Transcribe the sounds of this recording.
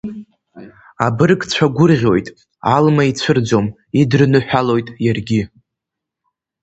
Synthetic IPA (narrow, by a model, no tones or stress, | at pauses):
abɨrɡt͡ɕʷʰaɡʷʊrʁʲo̞jtʼ | almait͡ɕʷʰɨrd͡zom | idrnɨħʷᶣalo̞jtʼjarɡʲɪ